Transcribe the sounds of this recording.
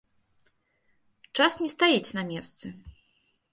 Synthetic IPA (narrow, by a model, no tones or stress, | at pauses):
t͡ʂasnʲɛst̪ajit͡sʲnɐmʲɛst̪sɨ